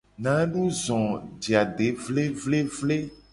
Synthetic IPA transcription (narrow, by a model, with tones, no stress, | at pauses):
nã˨˦ɖu˦zɔ̃˨d͡ʒi˨a˨ɖe˨˦vle˦vle˦vle˦